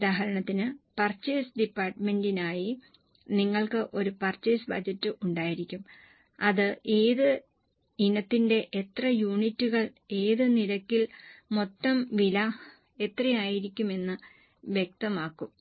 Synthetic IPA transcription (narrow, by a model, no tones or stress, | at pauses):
ðaːɦɐɾɐɳɐt̪ːinɨpɐrt͡ɕːeːsɖipːaːrʈme̞ndinaːji | niŋːɐɭkɨʔo̞ɾupɐrt͡ɕːeːsbɐ̰d͡ʑɐtːɨʔuɳɖaːjiɾikʲːum | ɐðɨʔe̞ːðɨ | inɐt̪ːinde̞ʔet̪rɐjuːɳitːuɣɐɭe̞ːðɨnilɐkːilmo̞t̪ːɐmʋilɐ | e̞t̪rɐjaːjiɾikʲːume̞nːɨ | ʋjek̚t̪ɐmaːkːum